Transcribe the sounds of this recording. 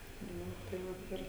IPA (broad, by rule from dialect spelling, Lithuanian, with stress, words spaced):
ˈnʊ tɐɪ ˈʋɐt ˈɪr